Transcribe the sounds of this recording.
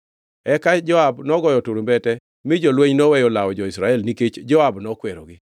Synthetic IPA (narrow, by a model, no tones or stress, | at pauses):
ɛkad͡ʒɔabnɔɡɔjɔtuɾombɛtɛ | mɪd͡ʒolweɲnɔwɛjolawɔd͡ʒɔɪsɾaɛlniket͡ʃd͡ʒɔabnɔkwɛɾo̰ɡɪ